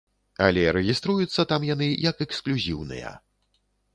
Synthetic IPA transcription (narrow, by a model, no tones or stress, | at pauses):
ɐ̰lʲɛɾɛɣʲist̪ɾujut̪sːɐt̪amjanɨjɐkɛksklʲuzʲiwnɨ̰jɐ̰